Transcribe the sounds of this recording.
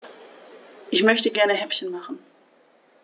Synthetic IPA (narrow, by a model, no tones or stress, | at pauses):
ʔɪçmœçtəɡɛɐnəɦɛpçənmaχn̩